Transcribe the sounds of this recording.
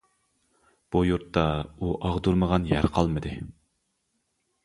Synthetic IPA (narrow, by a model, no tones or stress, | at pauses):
b̥ujuɾt̪ːɑuʔɑʁd̪uɾməʁɑnjæɾqʰɑlˠmɨd̪ɨ